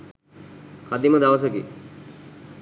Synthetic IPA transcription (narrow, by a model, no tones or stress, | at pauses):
kad̪iməd̪aʋəs̬əki